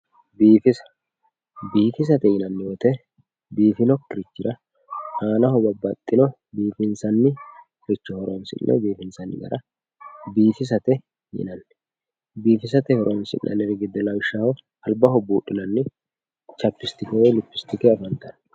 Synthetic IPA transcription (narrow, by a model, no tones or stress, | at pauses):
biːfɪsɐ̥ | biːfɪs̬ɐt̪ɛjɪnɐnːɪjot̪ɛ | biːfɪnɔkːɪɾɪt͡ʃːɪɾɐ | haːnɐhɔbɐbɐt̪ʼːɪnɔ | biːfɪnsɐnːɪ | ɾɪt͡ʃːɔhɔɾoːnsɪ̰nnʔɛ̰biːfɪnsɐnːɪ̰ɡɐ̰ɾʔɐ | biːfɪs̬ɐt̪ɛ | jɪ̰nɐnː | biːfɪs̬ɐt̪ɛhɔɾʔoːnsɪ̰nnʔɐ̰nɛɾɪɡɪd̪ːɛlɐwɪʃːɐhɔ | ɐlbɐhɔbuːɗɪnɐnːɪ | t͡ʃɐpːɪst̪ɪkɛwɛlʊpːɪst̪ɪkɛɐfɐnt̪ɐn